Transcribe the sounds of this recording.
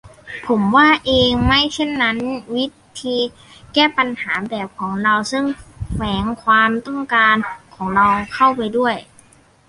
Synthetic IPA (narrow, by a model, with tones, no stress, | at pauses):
pʰo˩˦mwaː˥˩ʔeː˧ŋma˥˩jse˥˩nːa˦˥nwi˦˥t̪ʰiː˧ | kɛː˥˩pa˧nhaː˩˦bɛː˨˩p̚kʰɔː˩˦ŋɾa˧wsɤ˧˥˩ŋʰwɛː˩˦ŋkʰwaː˧mt̪ɔ˥˩ŋkaː˧nkʰɔː˩˦ŋɾa˧wkʰa˥˩wpa˧jdu˥˩əj